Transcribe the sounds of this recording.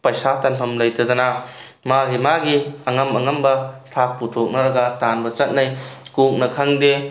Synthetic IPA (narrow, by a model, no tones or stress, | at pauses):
pɐjsatanpʰɐmlɐjtʰɐd̪ɐna | maɾimaɡiɐŋɐmɐŋɐmbɐtʰak̚putʰok̚nɐɾɐɡɐtanbɐt͡ʃɐt̚najkuk̚nɐkʰaŋde